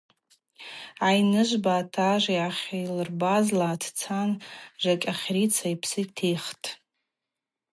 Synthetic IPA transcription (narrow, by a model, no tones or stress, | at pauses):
ajnɨʒʷbaːtʰaʒʷiaχʲajlɨrbazlaːtʰt͡sʰanʒʷakʲʼaχʲrit͡sʰaipʰsɨkʲʼtʰejχtʼ